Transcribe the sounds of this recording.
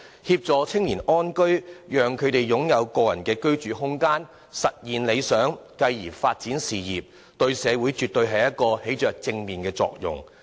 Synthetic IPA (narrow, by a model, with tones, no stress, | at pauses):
hiː˧p̚t͡sɔː˨t͡sʰɪ˥ŋjiː˨˩nɔː˥nkɵ˥ɥjœː˨ŋkʰɵ˨˧ɥt̪e˨jjʊ˨˥ŋjɐ˨˧wkɔː˧jɐ̰˨˩nkɛː˧kɵ˥ɥt͡ʃyː˨˧ɦʊ˥ŋkaː˥n | sɐ˨t̚jiː˨nle˨˧jsœː˨˥ŋkɐ˧jːiː˨˩faː˧t̚t͡siː˨˥nsiː˨jiː˨p̚ | t̪ɵ˧ɥsɛː˨˧wu˨˥jt͡ʃyː˨t̚t̪ɵ˧ɥɦɐ˨jɐ˥t̚kːɔː˧he˨˥jt͡ʃœː˨k̚t͡sɪ˧ŋmiː˨nkɛː˧t͡sɔ̰ː˧k̚jʊ̰˨ŋ